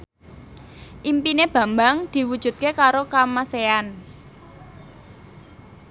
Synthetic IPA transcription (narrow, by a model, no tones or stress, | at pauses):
ʔimpineb̥ä̤mbaŋd̪̥i̤wud̥ʒ̥ṳt̪̚kekaɾokamasean